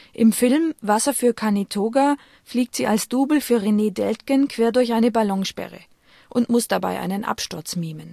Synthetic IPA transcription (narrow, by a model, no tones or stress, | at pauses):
ʔɪmfɪlmvasɐfyːɐkʰanitʰoːɡa | fliːk̚tz̥iːʔalsd̥uːbl̩fyːɐʁeneːdɛltkənkʰv̥eːɐdʊɐçʔaɪnəbalɔŋʃpɛ̰ʁə̰ | ʔʊntmʊsd̥aba̰ɪʔa̰ɪnənʔa̰pʃtʊɐt͡smiːmən